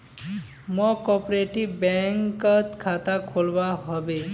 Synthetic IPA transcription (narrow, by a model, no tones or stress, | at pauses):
mɔkɔpɾeʈibbɛŋkɔt̪kʰat̪akʰolbaɦɔbe